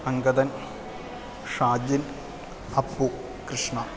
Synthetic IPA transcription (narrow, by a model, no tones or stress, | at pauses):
ɐŋɡɐd̪ɐn | ʂaːd͡ʑin | ɐpːu | kɾɨʂɳɐ